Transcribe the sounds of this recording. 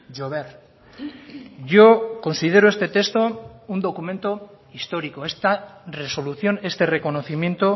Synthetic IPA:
ʝoβeɾ | ʝo̞ko̞nsið̞e̞ɾoest̪e̞t̪e̞st̪o̞und̪o̞kumẽ̞nt̪o̞ | ist̪o̞ɾiko̞e̞st̪are̞so̞luθjo̞ne̞st̪e̞re̞ko̞no̞θimje̞nt̪o̞

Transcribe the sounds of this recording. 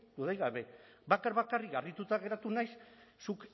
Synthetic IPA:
d̪uðajɣaβe̞ | bakaɾβakarikɡarit̪ut̪aɣe̞ɾat̪unajssuk

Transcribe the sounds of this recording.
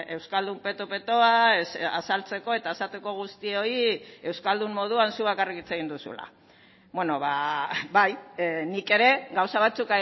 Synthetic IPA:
e̞wskald̪umpe̞t̪ope̞t̪o̞asa̰salt͡se̞ko̞et̪aesat̪eko̞ɣ̞ust̪io̞ie̞wskald̪umːo̞ð̞uansuβakariɣit͡seɣind̪usṵla̰ | βweno̞βabajnike̞ɾe̞ɡawsaβ̞at͡suka

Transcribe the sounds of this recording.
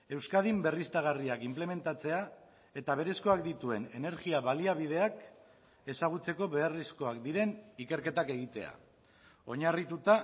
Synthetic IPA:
e̞wskað̞imbe̞rist̪aɣ̞ariakimple̞me̞nt̪at͡se̞a | e̞t̪aβe̞ɾe̞sko̞ak̚d̪it̪ue̞ne̞ne̞ɾɣiaβaliaβ̞iðe̞ak | e̞saɣ̞ut͡se̞ko̞βe̞arisko̞akd̪iɾe̞nike̞ɾke̞t̪ake̞ɣit̪e̞̰a̰ | o̞ɲarit̪ut̪a

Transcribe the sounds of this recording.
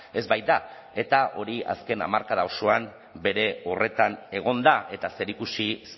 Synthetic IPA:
e̞zbajd̪a | e̞t̪aʔo̞ɾia̰ske̞na̰maɾkaðawsoam | be̞ɾe̞o̞re̞t̪ane̞ɣ̞o̞nd̪aʔe̞t̪ase̞ɾikusis

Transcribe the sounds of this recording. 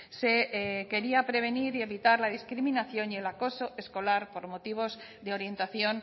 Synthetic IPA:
se̞ke̞ɾiapɾe̞β̞e̞niɾie̞βit̪aɾlaðiskɾimĩnaθjo̞nje̞lako̞so̞e̞sko̞laɾpo̞ɾmo̞t̪iβ̞o̞z | ðe̞o̞ɾje̞nt̪aθjo̞n

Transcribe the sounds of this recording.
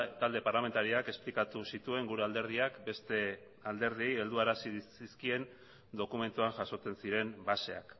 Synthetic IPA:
t̪ald̪e̞paɾlame̞nt̪aɾiake̞splikat̪usit̪ue̞ŋɡuɾe̞ald̪e̞ɾðiakbe̞st̪e̞ | ald̪e̞ɾð̞ie̞je̞ld̪uaɾasiiskie̞n | d̪o̞kume̞nt̪uaŋʝaso̞t͡se̞nsiɾe̞mbase̞a̰k

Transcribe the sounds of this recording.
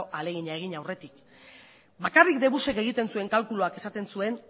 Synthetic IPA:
oʔale̞ɣ̞iɲae̞ɣ̞iɲawre̞t̪ik | bakarikd̪e̞βuse̞ke̞ɣ̞it̪e̞nsue̞ŋkalkuluake̞sat̪e̞nsue̞n

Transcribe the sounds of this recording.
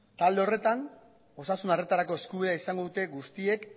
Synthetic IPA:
t̪ald̪e̞o̞re̞t̪an | o̞sasunare̞t̪aɾako̞e̞skuβiðeaisaŋɡo̞ðut̪e̞ɡust̪ie̞k

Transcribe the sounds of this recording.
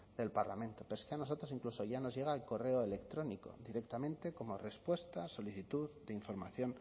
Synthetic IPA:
d̪e̞lpaɾla̰mẽ̞nt̪o̞peoskeano̞so̞t̪ɾo̞siŋkluso̞ʝano̞zʝe̞ɣ̞alko̞re̞oele̞kt̪ɾo̞niko̞̰d̪iɾe̞k̚t̪amẽ̞nt̪e̞ko̞mo̞re̞spwe̞st̪aso̞liθit̪uðd̪eiɱfo̞ɾma̰θjo̞n

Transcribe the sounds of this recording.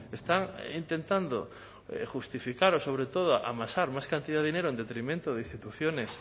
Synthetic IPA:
est̪aŋint̪ent̪and̪o | ḛxust̪ifikaɾosoβ̞ɾet̪oð̞oʔa̰masaɾmajskant̪iðaðinejɾoend̪et̪ɾimẽnt̪oðeĩst̪it̪uθjones

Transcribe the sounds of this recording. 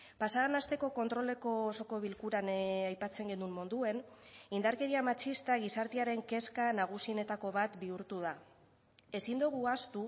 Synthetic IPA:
pasaanast̪e̞ko̞ko̞nt̪ɾo̞le̞ko̞ːso̞ko̞βilkuɾanajpat͡se̞ŋɡe̞nummond̪ue̞nind̪aɾke̞ɾiamat͡ʃist̪aɣ̞isaɾt̪eaɾe̞ŋke̞skanaɣ̞usine̞t̪ako̞βat̪biuɾt̪uð̞a | e̞sind̪uɣ̞uast̪u

